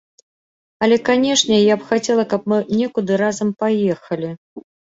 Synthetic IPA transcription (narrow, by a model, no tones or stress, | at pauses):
ɐlʲɛkanʲɛʂnʲɛjapxat͡sʲɛlˠɐkɐpmɨnʲɛkud̪ɨɾazɐmpajɛxɐlʲi